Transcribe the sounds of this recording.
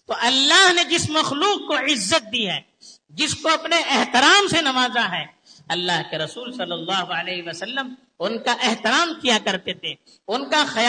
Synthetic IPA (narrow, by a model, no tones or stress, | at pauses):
t̪oʔɐlːaːɦned͡ʒɪsmɐxluːq̚koɪzːət̪̚d̪iɦɛː | d͡ʒɪskoɐpneʔɛɦt̪ɪɾaːmsenɐmaːzaɦɛː | ɐlːaːɦkeɾɐsuːlsɐlːəlːaːɦoəleːɦiʋɐsɐlːəm | ʊnkaʔɛɦt̪ɪɾaːmkijakɐɾt̪et̪e | ʊnkaxɐj